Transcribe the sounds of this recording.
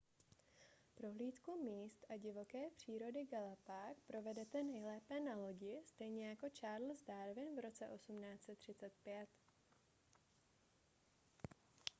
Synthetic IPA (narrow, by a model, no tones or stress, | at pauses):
pɾo̞ɦliːt̪kumiːst̪ʔaɟɪvo̞kɛːpr̝̥iːɾo̞dɪɡalapaːkpɾo̞vɛdɛt̪ɛnɛjlɛːpɛːnalo̞ɟɪst̪ɛjɲɛjako̞t͡ʃaːɾl̩zdaɾvɪnvɾo̞t͡sɛʔo̞sumnaːt͡sɛt̪ːr̝̥ɪt͡sɛt̪̚pjɛt̪